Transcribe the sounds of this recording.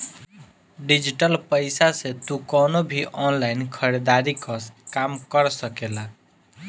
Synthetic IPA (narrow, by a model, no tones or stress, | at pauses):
ɖid͡ʒiʈəlpəɪsasẽt̪ukɔnobʱiʔɔnlaɪnkʰəɾed̪aɾikəskamkəɾsəkela